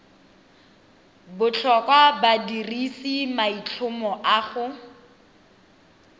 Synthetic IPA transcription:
bʊt͡ɬʰɔkwabadirisimait͡ɬʰʊmɔʔaːχʊ

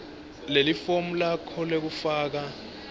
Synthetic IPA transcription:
lelifom̩lakʰɔlek̬ufaːk̬a

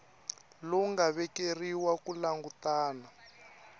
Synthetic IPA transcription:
lɔŋɡaβɛkeriwakulaŋɡutaːna

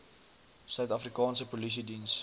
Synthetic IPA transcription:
sœɥt̪afrikɑːnsəpolis̬idins

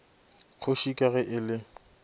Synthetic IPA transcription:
k͡xʰoʃikʼaɣɛʔɪlɪ

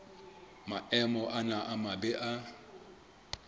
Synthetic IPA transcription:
maɛmɔʔanaʔamabɛʔa

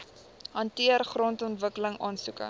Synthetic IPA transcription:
ɦɐntiərχrɔntɔntvəkələŋɑːnsukə̰

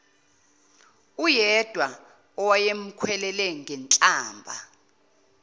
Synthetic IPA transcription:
ujɛd̥ʱwa | ɔwajem̩kʰwɛlɛlɛŋʱɛnt͡ɬʼaːmbʱa̰

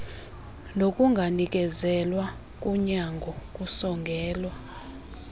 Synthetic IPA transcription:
nokʼuŋɡʱanik̬ʼɛzɛlwa | kʼuɲaŋɡʱɔkʼusɔŋɡʱɛːlwa

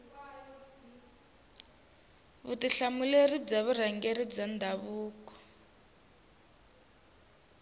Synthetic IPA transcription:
βutiɬamulerib͡ʐaβuraŋɡeɾid͡zandʱaβuːkɔ̥

